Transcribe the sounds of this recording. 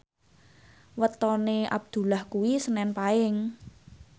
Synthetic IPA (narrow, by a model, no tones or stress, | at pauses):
wət̪ɔneʔa̰b̚d̪̥ṳlahkuwisənɛnpaɪŋ